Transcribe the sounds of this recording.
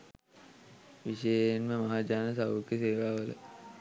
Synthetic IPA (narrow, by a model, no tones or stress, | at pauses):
ʋiʃəjənmẽmɐɦaːd͡ʒaːnəsaʋukeseːʋaʋələ̰